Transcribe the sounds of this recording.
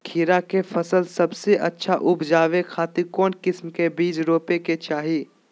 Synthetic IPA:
kʰiːɾakefʰɐsəlsɐbseʔɐtːʃʰaʔʊbʱd͡ʒaːʋekʰaːt̪ɪɾkɔːnkɪsmkebiːd͡ʒɾoːpeket͡ʃaːɦiː

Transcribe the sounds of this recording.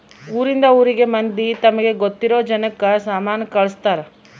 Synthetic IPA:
uːɾind̪ɐuːɾiɡe̞mɐnd̪it̪ɐmɐɡe̞ɡot̪ːiɾo̞ːd͡ʒɐnɐkːɐsaːmaːnɐkɐɭɐst̪aːɾe

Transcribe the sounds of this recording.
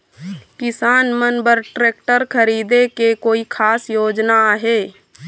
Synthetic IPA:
kɪsaːnmənbəɾʈɾeːk̚ʈəɾkʰəɾiːd̪ekekoːikʰaːsjoːd͡ʒnaɦe

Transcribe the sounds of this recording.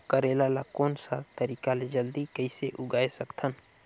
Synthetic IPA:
kəɾelalakoːnsat̪əɾikaled͡ʒəld̪ikəɪseʔʊɡaesəkt̪ʰən

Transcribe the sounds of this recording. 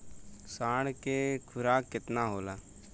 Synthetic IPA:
saːɽkeːkʰʊɾaːkːɪt̪naːɦoːlaː

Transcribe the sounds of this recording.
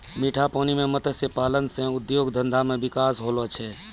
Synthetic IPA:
miːʈʰapɔːnimẽmət̪əsepaːlənsẽʊd̪joːɡd̪ʱənd̪ʱamẽbɪkaːsɦolɔt͡ʃʰɛ

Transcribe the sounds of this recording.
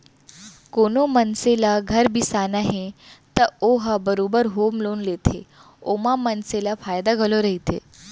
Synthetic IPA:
konomənselaɡʱəɾbʱisanaɦet̪əoɦabəɾobəɾɦomloːnlet̪ʰe | omamənselafajd̪aɡʱəloɾəɦit̪ʰḛ

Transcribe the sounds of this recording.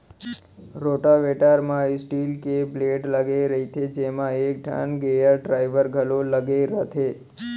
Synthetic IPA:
ɾoʈaʋeʈaɾmãisʈilkebleʈləɡeɾəɦit̪ʰed͡ʒemãek̚ɖʱa̰nɡejəɾɖɾaiʋəɾɡʱəloləɡeɾət̪ʰe

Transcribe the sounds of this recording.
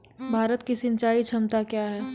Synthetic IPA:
bʱaːɾət̪kisɪ̃nt͡ʃaːit͡ʃʰɐmt̪akjaːɦɛː

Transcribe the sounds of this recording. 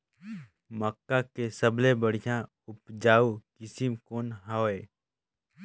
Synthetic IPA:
məkːakesəblebəɽ̤ijã | ʊpd͡ʒaːukɪsimkoːnɦaeː

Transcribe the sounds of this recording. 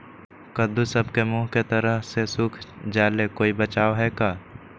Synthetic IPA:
kəd̪usɐbkemuːɦket̪ɐɾəɦsesʊkʰd͡ʒaːlekoːibɐt͡ʃaːoɦɛːkaː

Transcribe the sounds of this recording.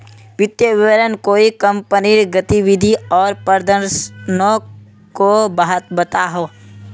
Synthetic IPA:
ʋɪt̪jəʋɪʋəɾənkoːikə̃mpəniɾɡət̪iʋɪd̪ʱiɔːɾpəɾd̪ʱəɾsno | kobəɦət̪bət̪aɦoː

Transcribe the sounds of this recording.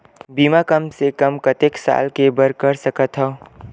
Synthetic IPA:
biːmakəmsekɐmkət̪eksa̰ːlkebəɾkəɾsəkət̪ɦɔː

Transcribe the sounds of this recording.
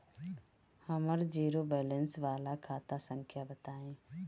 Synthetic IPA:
həməɾd͡ʒiːɾoːbɛːlə̃nsʋaːlakʰaːt̪asə̃ŋkʰjabət̪aːẽː

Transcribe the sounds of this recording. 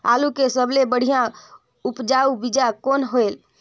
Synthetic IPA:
a̰lukesəblebəɽ̤ijã | upd͡ʒaubid͡ʒakonɦoel

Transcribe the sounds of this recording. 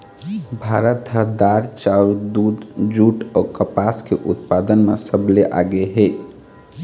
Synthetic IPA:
bʱaɾət̪ɦəd̪aɾt͡ʃald̪ud̪d͡ʒuʈakəpaskeʔut̪pad̪ənmḛsəbleʔa̰ɡeɦe

